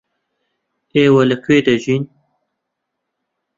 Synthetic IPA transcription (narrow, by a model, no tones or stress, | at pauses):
eːwɐləkʰweːd̪ɐʒin